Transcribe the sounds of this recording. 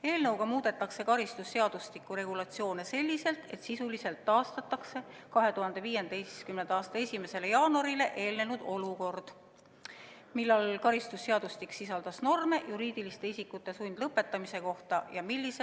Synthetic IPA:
e̞ːlnɤwɡɑmuːd̪e̞t̪ːˑɑkse̞kɑɾist̪usːe̞ɑd̪̥ust̪ikːˑuɾe̞ɡ̥ulɑt̪sio̞ːne̞se̞lʲːise̞lt̪e̞t̪sisulise̞lt̪ːɑːst̪ɑt̪ːˑɑkse̞kɑɦe̞t̪uhɑnd̪̥e̞viːje̞nd̪̥ejskymnend̪ɑːst̪ɑe̞sʲime̞se̞le̞jɑːnuɑɾile̞ʔe̞ːlnenud̪̥o̞luko̞rd̪̥ | milːɑlkɑɾist̪usːeɑd̪ust̪iksisɑld̪̥ɑsno̞rme̞juɾiːd̪̥ilist̪e̞isikːˑut̪ːˑe̞sujnd̪lɤpːˑe̞t̪ːˑɑmise̞ko̞ht̪ɑjɑmilʲːise

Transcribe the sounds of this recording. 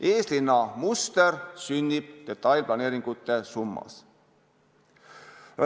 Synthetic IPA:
ʔe̞ːslinːɑmust̪e̞rsynʲːib̥̚d̪̥e̞t̪ːˑɑjlplɑne̞ːɾiŋɡ̥ut̪ːˑe̞sumːɑ̰s

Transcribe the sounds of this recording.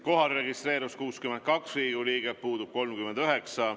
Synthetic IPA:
ko̞ɦɑlre̞ɡist̪re̞ːɾuskuːskymen̚kɑksriːɡuliːɡ̥epuːd̪ub̥̚ko̞lmkymend̪yøɦeksɑ

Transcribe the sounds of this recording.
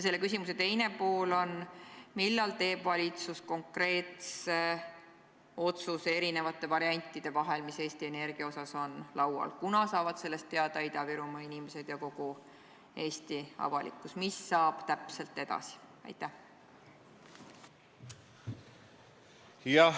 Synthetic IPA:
jse̞lːe̞kys̬ʲimuse̞t̪e̞jne̞po̞ːlo̞nmilːɑlt̪e̞ːb̥vɑlʲit̪susko̞ŋkre̞ːt̪se̞ | o̞t̪suse̞ɾine̞vɑt̪ːˑe̞vɑɾiɑnʲt̪ˑːid̪̥e̞vɑɦe̞lmise̞ːst̪ie̞ne̞rɡ̥iɑo̞sɑso̞nlɑwɑ̰lkunɑsɑːvɑd̪̥se̞lːe̞st̪ːe̞ɑd̪̥ɑid̪̥ɑviɾumɑinimese̞d̪̥jɑko̞ɡ̥u | e̞ːst̪iɑ̰vɑ̰lḭkːˑusmisːɑːb̥t̪æpse̞lt̪ːe̞d̪̥ɑ̰si̥ɑ̰jt̪ːˑæh | jɑ

